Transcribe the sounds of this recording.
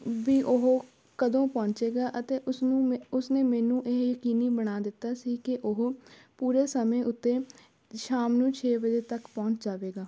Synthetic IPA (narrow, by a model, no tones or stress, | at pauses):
ʋiːʔʊɦ | kəd̪õːpɔ̃ːɲt͡ʃeːɡaːʔət̪eːʔʊsnũːʊsneːmɛːnũːʔɪɦjəkiːniːbəɽ̃aːd̪ɪt̪ːaːsiːkɪʔʊɦpuːɾeːsəmẽːʔʊt̪ːeː | ʃaːmnũːt͡ʃʰeːʋəd͡ʒeːt̪əkpɔ̃ːɲt͡ʃd͡ʒaːʋeːɡaː